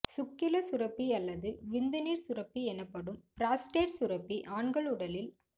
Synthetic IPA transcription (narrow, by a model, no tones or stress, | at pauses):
sʊkːɪlɐsʊɾɐpːiɐlːɐðɯʋɪnd̪ɐniːɾsʊɾɐpːiɛnɐpːɐɽɯmpɾaːsʈeːʈsʊɾɐpːiʔaːɳɡɐɭɯɽɐlɪl